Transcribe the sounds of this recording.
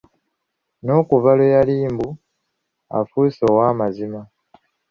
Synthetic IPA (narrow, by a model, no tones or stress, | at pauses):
no̞ːkuvalojaliːmbu | a̰fusoːwaːmazima